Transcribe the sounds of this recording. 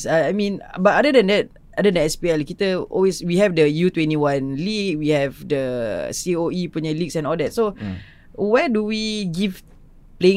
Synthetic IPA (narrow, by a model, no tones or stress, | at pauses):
saajmĩnbat̚adədɛ̃ndɛt̚ | ʔadədɛ̃nɛspiɛlkit̪əɔ̰lweswihɛvdəjut̪wɛ̃ntiwãnlik̚wihɛvdəsioipuɲalik̚sɛ̃nɔldɛt̚so | wɛduwiɡiv | plẽ